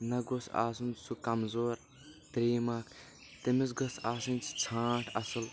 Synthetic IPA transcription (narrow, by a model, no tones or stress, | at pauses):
nɐɡosa̰ːsunsukɐmzoːɾ | t̪ɾeːmakʰ | t̪emis̬ɡɐsaːsɨnʲt͡sʰt͡sʰaːʈʰɐsɨl